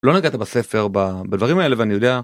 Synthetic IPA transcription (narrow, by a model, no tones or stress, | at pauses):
lo̞naɡat̪abase̞fe̞ʁbabadvaʁimaele̞veanijo̞d̪ea